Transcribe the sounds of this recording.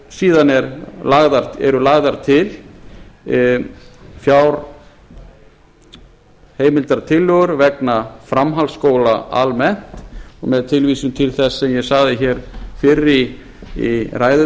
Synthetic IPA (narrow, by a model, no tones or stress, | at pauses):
siːðanɛɾlaɣðaɾɛ̰ɾʏlaɣðaɾ̥t̪ʰɪl | fjawɾ | heːjmɪlt̪aɾt̪ʰɪlːœɣʏɾvɛknafɾamɦalskoːwlaʔa̰lmɛn̥t̪ɔɣmɛðt̪ʰɪlviːsʏmt̪ʰɪlθɛsːɛmjɛɣsaɣðɪçɛːɾ̥fɪrːɪ | iraːjð